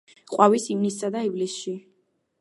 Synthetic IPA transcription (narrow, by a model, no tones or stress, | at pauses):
qʼwavisimnisːad̪aivlisʃi